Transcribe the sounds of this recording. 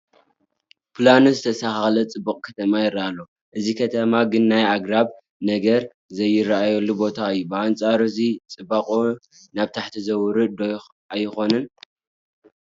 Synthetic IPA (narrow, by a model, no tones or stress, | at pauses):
pʰlanuzɨt̪ʰɐsaxaxlɐt͡sʼɨbuqʼkʰɐt̪ʰɐmajɪrːaalːo | ʔɨzikʰɐt̪ʰɐmaɡɨnːajaɡɾaβ | nɐɡɐɾ | zɐjːɪrːaʔajolːubo̞t̪ʰaɨjːubɨʔant͡sʼaɾɨzit͡sʼɨbaqʼo | naβt̪ʰaħt̪ʰizɐwɾɨd̪o | ʔajːɪxo̞nɨn